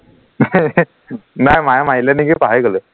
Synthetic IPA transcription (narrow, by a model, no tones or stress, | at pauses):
najmajamajlanikipaɦajkələ